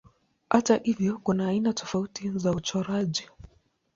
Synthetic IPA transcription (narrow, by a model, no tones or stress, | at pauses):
hatahivjɔkunaːinatɔfautizaut͡ʃɔɾaʄi